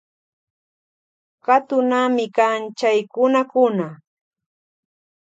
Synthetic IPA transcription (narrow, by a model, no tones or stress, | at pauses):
kat̪ʊnamɪkant͡ʃajkʊnakʊna